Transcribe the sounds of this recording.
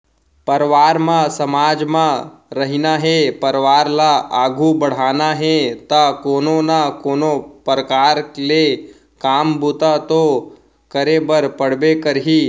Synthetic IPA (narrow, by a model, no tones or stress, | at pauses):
pəɾʋaːɾmãsəmaːd͡ʒmãɾəɦinaɦepəɾʋaːɾlaaːɡʱubəɽ̤aːnaɦet̪akoːnonakoːnopəɾəkaːɾkle | kaːmbut̪at̪o | kəɾebəɾpəɽ̤bekəɾɦi